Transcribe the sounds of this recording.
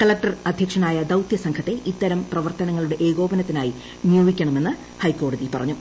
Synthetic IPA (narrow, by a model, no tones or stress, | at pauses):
kɐɭɐk̚ʈɐrɐd̪ʱjɐkʂɐnaːjɐd̪ɐwt̪jɐsɐŋkʰɐt̪ːe̞ʔit̪ːɐɾɐmprɐʋɐrt̪ɐnɐŋːɐɭuɽe̞ʔeːɣo̞ːbɐnɐt̪ːinaːji | nijoːbikʲːɐɳɐme̞nːɨ | hɐjkːo̞ːɽɐðipɐrɐ̰ɲːu